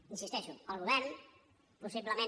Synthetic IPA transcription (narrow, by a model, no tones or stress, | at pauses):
insist̪ɛʃualˠɣuβɛɾn | pusiβləmẽ